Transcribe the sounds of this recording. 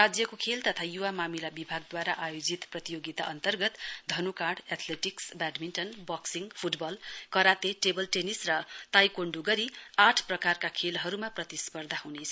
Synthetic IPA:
rad͡zjʌkokʰelt̪ʌt̪ʰajuwamamilabibʱaɡd̪waɾaʔajod͡zit̪prʌt̪ijoɡit̪aʔʌnt̪ʌrɡʌt̪d̪ʱʌnukaɽat̪ʰleʈiksbaɖminʈʌnbʌksiŋɡpʰuʈbʌlkʌɾat̪eʈebʌlʈenisrʌt̪ajkoɳɖuɡʌɾiaʈʰprʌkarkakʰelɦʌɾumaprʌt̪ispʌrd̪ʱaɦunet͡sʰʌ

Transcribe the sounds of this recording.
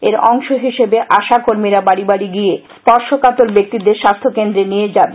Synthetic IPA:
eɾɔ̰ŋʃoɦiʃebeʔaʃakoɾmiɾabaɽibaɽiɡije | pɔɾʃokat̪oɾbek̚t̪id̪eɾʃast̪ʰokend̪ɾenijed͡ʑabe

